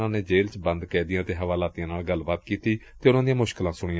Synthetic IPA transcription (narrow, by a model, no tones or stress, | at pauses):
ãːneːd͡ʒeːlt͡ʃbənd̪kɛːd̪ɪjãːt̪eːɦəʋaːlaːt̪ijãːnaːlɡəlːbaːt̪kiːt̪iːt̪eːʊnãːd̪ijãːmʊʃkəlãːsʊɽ̃ɪjã